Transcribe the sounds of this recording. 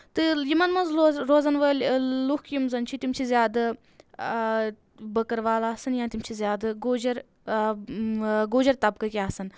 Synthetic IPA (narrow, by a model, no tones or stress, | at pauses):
t̪ɨjimɐnmɐnzɾoːzɐnʋɐllukkjimzɐnt͡ʃʰit̪imt͡ʃʰizʲjaːd̪ɨ | bɐkɐɾʋaːlaːsɐnjãːt̪imt͡ʃʰizʲjaːd̪ɨɡoːd͡ʒɐɾ | ɡoːd͡ʒɐɾt̪ɐb̚kɐkʲaːsɐn